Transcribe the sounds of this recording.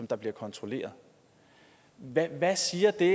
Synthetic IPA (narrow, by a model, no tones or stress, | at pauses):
ɒ̽md̥ɑ̈b̥liɐkʰɒ̽nt͡sʰʁo̝le̝̰ːɐð̞ˠ | ʋæʋæsiːɐd̥e̝